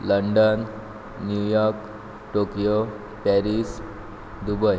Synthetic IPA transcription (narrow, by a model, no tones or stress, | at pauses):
ləɳɖənː | jujɔɾk | ʈokijo | pɛɾis | d̪ubəj